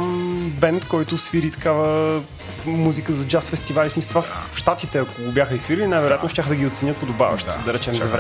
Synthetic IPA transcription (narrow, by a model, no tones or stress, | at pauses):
mbɛnt̪kɔjt̪ʊsfiɾit̪ɐ̥kavə | muzikəzɐd͡ʒasfɛst̪ivalʲismisot̪vafʃt̪at̪it̪ɛɐkoɡobʲjaxəisfiɾilʲinajvɛɾojat̪noʃt̪ʲaxəd̪ɐɡʲiot̪sɛnʲət̪̚pod̪oba̰vɐ̰ʃt̪ə̰d̪ɐɾɛt͡ʃɛmzɐvɾɛ